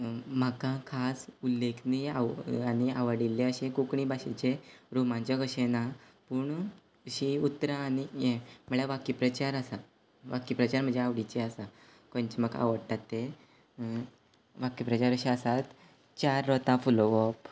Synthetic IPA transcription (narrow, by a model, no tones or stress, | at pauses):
m̤akãkʰasulːekʰnia̰ania̰ʋəɽilːeəɕekukɳibaɕet͡ɕeɾumãt͡ɕaɡəɕena | puːɳ | əɕiut̪ːɾaːñijem̤əɭjaʋakipɾət͡ɕaɾəsa | ʋakipɾət͡ɕaɾm̤əɳd͡zeaʋɽit͡ɕeasa | kõnt͡ɕeməɡa̰ʋəɽt̪at̪ːe | ʋakipɾət͡ɕaɾəɕeəsat̪ | t͡ɕaɾːɔt̪ãfuloʋɔp